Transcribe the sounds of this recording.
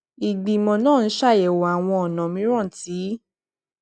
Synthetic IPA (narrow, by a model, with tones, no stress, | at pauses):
i˨ɡ͡bi˨mɔ̃˧nãː˦˨n̩˦ʃa˦˨jɛ˨wa˨a˨w̃ɔ̃˧ɔ˨nã˨mĩ˨˦ɾ̃ã˦˨ti˨˦